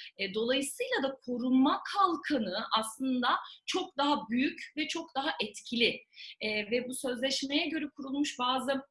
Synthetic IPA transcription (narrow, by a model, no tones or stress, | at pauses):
ɛd̪o̞lˠajɯsɯjlˠad̪akʰo̞ɾunmakʰalˠkʰanɯʔaslˠɯnd̪at͡ʃʰo̞k̚d̪aɦabyjycvɛt͡ʃʰo̞k̚d̪aɦaʔɛt̪cʰilʲɪɛːvɛbusø̞zlʲɛʃmejɛɟø̞ɾɛkʰuɾulˠmuʃbaːzɯ